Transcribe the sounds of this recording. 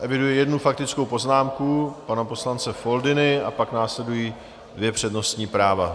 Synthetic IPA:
ʔɛvɪdujɛjɛdnufak̚t̪ɪt͡skowpo̞znaːmkupanapo̞slant͡sɛfo̞ldɪnɪapaknaːslɛdujiː | dvjɛpr̝̥ɛdno̞st̪ɲiːpɾaːva

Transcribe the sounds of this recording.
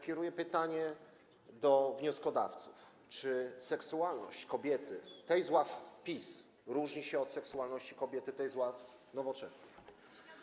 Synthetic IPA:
kʲɛɾujɛpɘt̪aɲɛ | d̪ɔvɲɔskɔd̪a̰ft̪suf | t͡ʂɘsɛksuwalnɔ̰ɕt͡ɕkɔbʲjɛt̪ɘt̪ɛjzwafpʲis | ɾuʐɲiɕɛɔt̪sɛksualnɔɕt͡ɕi̥kɔbʲjɛt̪ɘt̪ɛjzwaf | nɔvɔt͡ʂɛsnɘx

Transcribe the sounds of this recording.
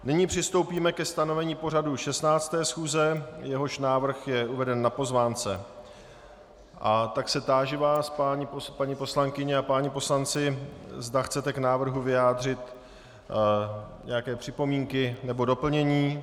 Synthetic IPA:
nɪɲiːpr̝̥ɪst̪o̞wpiːmɛkɛst̪ano̞vɛɲiːpo̞r̝aduʃɛst̪naːt͡st̪ɛːsxuːzɛjɛɦo̞ʃnaːvr̩xjɛʔuvɛdɛnːapo̞zvaːnt͡sɛ | ʔat̪aksɛt̪aːʒɪvaːspaɲipopaɲipo̞slaŋkɪɲɛapaːɲipo̞slant͡sɪzdaxt͡sɛt̪ɛknaːvr̩ɦuvɪjaːdr̝ɪt̪ | ɲʔɛjakɛːpr̥ɪpo̞miːŋkɪnɛbo̞do̞pl̩ɲɛɲiː

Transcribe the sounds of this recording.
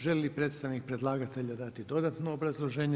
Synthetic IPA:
ʒelʲlipɾeːt̪st̪aʋnik̚pɾe̞d̪lˠaːɡat̪e̞ʎad̪at̪id̪o̞d̪at̪noːbɾazlˠo̞ʒe̞ːɲe

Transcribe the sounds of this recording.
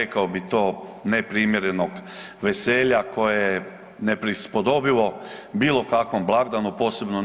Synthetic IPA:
ekaobit̪o̞ːnepɾiːmjeɾenoɡʋeseːʎako̞jeje | nepɾispod̪o̞biʋo̞biːlo̞kakʋo̞mblˠaɡd̪anupo̞ːse̞bno

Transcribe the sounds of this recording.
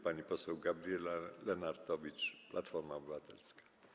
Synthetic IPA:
paɲipɔsɛwɡabɾʲijɛlalɛnaɾd̪ɔvʲit͡ʂplʔat̪fɔɾmaɔbɘvat̪ɛlskḁ

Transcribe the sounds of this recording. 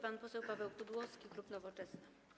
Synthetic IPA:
panpɔsɛwpavɛwkud̪wɔskʲiklupnɔvɔt͡ʂɛsnɘ

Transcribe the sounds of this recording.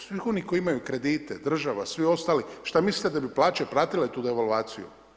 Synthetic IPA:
sʋixo̞nikoiimajukɾe̞d̪iːt̪ed̪r̩ʒaʋasʋio̞st̪aːliʃt̪amislit̪ed̪abiplaːt͡ʃepɾaːt̪ilet̪uːd̪e̞ʋalʋaːt̪sijṵ

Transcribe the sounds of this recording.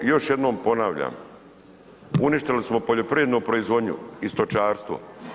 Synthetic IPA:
jo̞ʃje̞d̪no̞ːmpo̞naʋʎa̰ːm | uniʃt̪elismo̞poʎo̞pɾijed̪nopɾoizʋo̞d̪ɲṵist̪ot͡ʃaːɾst̪ʋo̰

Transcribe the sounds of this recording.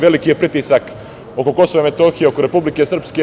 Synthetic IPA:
ʋe̞likijepɾit̪isak | o̞ko̞ko̞soʋamet̪oxijeo̞koɾe̞publikesr̩pske

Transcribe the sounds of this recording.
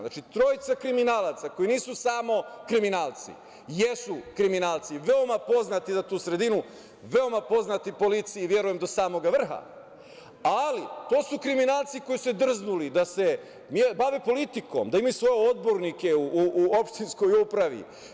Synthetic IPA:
nat͡ʃit̪ɾo̞ːjit̪sakɾiminaːlat̪sako̞jiniːsusaːmo̞kɾiminaːlt̪sḭ | jesukɾiminaːlˠt̪siʋeo̞mapo̞znat̪izat̪uːsɾe̞d̪inu | ʋe̞o̞mapo̞znat̪ipo̞lit̪sijiʋje̞ɾujemd̪o̞saːmo̞ɡaʋr̩xa̰ | alit̪o̞ːsukɾiminaːlt̪siko̞jised̪r̩znulid̪ase̞ | mjebaʋepo̞lit̪iko̞̰md̪aimausʋo̞jeo̞d̪̚bo̞ɾnike̞uuʔo̞pʃt̪insko̞jupɾaʋḭ

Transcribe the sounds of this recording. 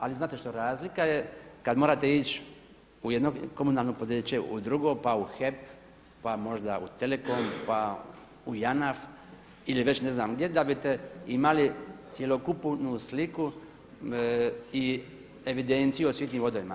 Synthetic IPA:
aliznaːt̪e̞ʃt̪oɾaːzlikajekad̪moɾat̪e̞it͡ʃ | ujed̪noko̞munalˠnopod̪eːt͡ɕeʔud̪ɾuɡopauxep | pamo̞ʒd̪aṵt̪eleko̞mpa | ujanaf | iliʋet͡ɕne̞znaːmɡd̪jed̪abit̪eimalit̪sjelokupnusliku | i | eʋid̪ent̪sijuosʋit̪nimʋo̞d̪oʋima̰

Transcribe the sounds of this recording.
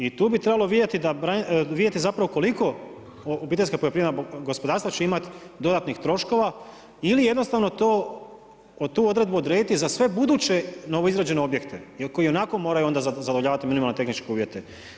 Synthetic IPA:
it̪uːbit̪ɾe̞baloʋid̪jet̪id̪abɾaʋid̪je̞t̪izapɾaʋoko̞liko̞ | obiːt̪e̞skapojopɾimenaɡospo̞d̪aɾst̪vat͡ɕe̞imat̪d̪o̞d̪at̪nixt̪ɾo̞ʃko̞ʋa | ilije̞d̪no̞st̪aʋnot̪oː | t̪uːo̞d̪ɾed̪buod̪ɾed̪it̪izasʋe̞bud̪uːt͡ɕe̞no̞ʋoizɾaːd͡ʑe̞neo̞bje̞kt̪eko̞jio̞nako̞mo̞ːɾajuo̞nd̪azzad̪oʋʎʲaːʋat̪iminimalnet̪xnit͡ʃke̞uːʋje̞t̪e̞

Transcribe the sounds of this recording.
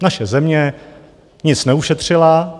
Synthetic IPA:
naʃɛzɛmɲɛ | ɲɪt͡snɛuʃɛt̪r̝̥ɪla

